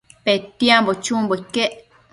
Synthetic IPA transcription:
pet̪iãmbot͡ʃũmboikeʔ

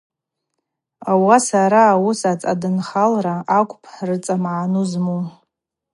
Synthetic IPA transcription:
awasaɾaːwusat͡sʼadɨnχalraakʷʼpʰħrɨt͡sʼamʕanuzmu

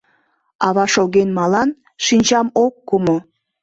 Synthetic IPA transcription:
ɑβɑʃoɣenmɑlɑn | ʃinʲt͡ɕɑmokːumo

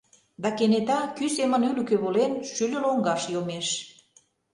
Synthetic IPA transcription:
d̪ɑkenet̪ɑkysemə̆nylykøβolenʃylʲə̆loŋɡɑʃjomeʃ

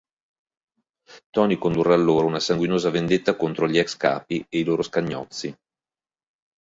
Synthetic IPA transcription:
t̪ɔːnikond̪uraːlːoːɾounasaŋɡwinoːzavend̪et̪ːakont̪ɾoʎiɛkska̰ːpieiloːɾoskaɲːɔ̰t̪sːi

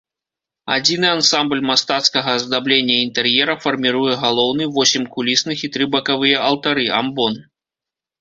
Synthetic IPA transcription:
a̰d͡zʲinɨansamblʲmast̪at̪skɐɣɐzd̪ablʲenʲːɐint̪ɛrjɛɾɐfɐrmʲiɾujɛɣalˠɔwnɨvɔsʲimʲkulʲisnɨxit̪ɾɨbɐkavɨjɐʔɐlˠt̪aɾɨambɔn

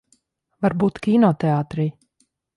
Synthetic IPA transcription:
vaɾbuːt̪kʲinɔt̪ɛaːt̪ɾiː

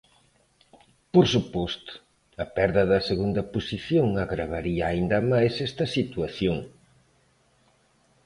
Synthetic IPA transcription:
poɾsupɔst̪ʊ̥ | ɐpɛɾðɐðɐseɣund̪ɐpusiθjoŋɐɣɾaβ̞aɾiɐːind̪ɐmajsɛst̪ɐsit̪wɐθjoŋ

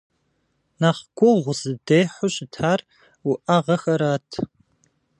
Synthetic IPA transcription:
naːχɡʷʼɔʁʷʊzɨdejħʷʊɕʼɪtʰaːr | ʊʔɐʁɐxɐɾaːtʰ

